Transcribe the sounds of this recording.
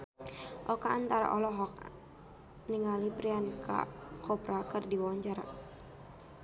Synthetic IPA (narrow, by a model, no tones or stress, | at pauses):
ʔɔkaːnt̪aɾa̰ʔɔlɔɦɔk̚ | niŋalipɾianka̰kʰɔpɾakɨrdiwaɲt͡ʃaɾa